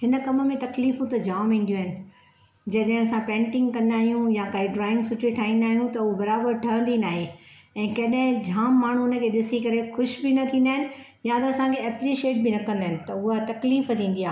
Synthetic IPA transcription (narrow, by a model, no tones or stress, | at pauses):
ɦɪnə̆kɐmə̆mẽt̪ɐkliːfũt̪ɐd͡ʑaːmĩːn̆d̪ijuaːɦɪnɪ̆ | d͡ʑɐɗɦɪ̃ɐsãpɛ̃ːɳʈɪ̃ŋɡkɐ̃nd̪aːɦijũjakaːiɖɾaːɪ̃ŋɡsʊʈʰiʈʰaːɦĩːnd̪aːɦijũt̪ɐʊɦobɐɾaːbəɾʈʰɐɦə̃nd̪inaːɦeɛ̃ːkɐɗɦɪ̃d͡ʑʱaːmːaːɳ̤unə̆kʰeːɗɪsikɐɾexʊʃbɪnɐt̪ʰĩːnd̪aːɦɪnɪ̆ | jat̪ɐɐsãkʰeɐpɾiːʃieːʈ̚bɪnɐkɐ̃nd̪aːɦɪnɪ̆t̪ɐʊɦat̪ɐkliːft̪ʰĩːn̆d̪ijaː